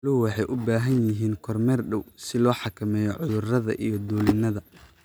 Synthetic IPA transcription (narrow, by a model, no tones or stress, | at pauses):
lʊwɑħɑjʔʊbaːɦɐnjɪɦiːnkʰɔrmɛrɖɔwsɪlɔːħɑkʰɐmɛːjɔʕʊðʊrɐðɐ̰ʔijɞd̪uːlɪnɐðɐ